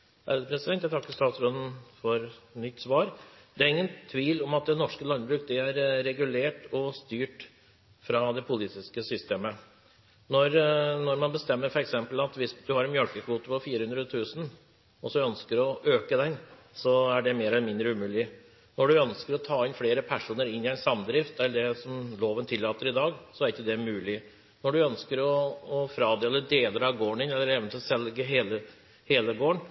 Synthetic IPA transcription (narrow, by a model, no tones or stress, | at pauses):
æ̰ld̪əpʰɾɛsɪd̪ɛnt̪jæt̪ʰɑkːəst̪ɑːt̪sɾɔnənfɔɾnʏt̪ːsʋɑːɾ | d̪ɛæɾɪŋːənt̪ʰʋiːlɔmɑt̪̚d̪ɛnɔʂkəlɑnbɾʉːk̚d̪ɛæɾɾɛɡʉleːʈɔst̪yːʈ | fɾɑd̪ɛpʰʊliːt̪ɪskəsʏst̪eːmə | nɔɾnɔɾmɑnbəst̪ɛmːəɾfɔɾɛksɛmpəlɑt̪ʋɪsd̪ʉhɑɾɛnmjœlkəkʰʋuːt̪əpɔfiːɾəhʉnd̪ɾət̪ʰʉːsn̩ | ɔsɔœnskəɾɔʔøːkəd̪ɛn | sɔæɖɛmeːɾɛlnmɪnd̪ɾəʉmʉːlɪ | nɔɖʉœnskəɾɔt̪ʰɑːɪnfleːɾəpʰæʂuːnəɾɪnːɪæɪnsɑmd̪ɾɪft̪̚æld̪ɛsɔmloːʋənt̪ʰɪlːɑːt̪əɾɪd̪ɑːɡsɔæɾɪçːəd̪ɛmʉːlɪ | nɔɖʉœnskəɾɔːfɾɑːd̪ɛɛlːəɖ̪eːləɾɑʋɡoːɳɪnɛlːəɾeːʋnt̪ʰɪlsɛlɡəɦeːlə | heːləɡoːəɳ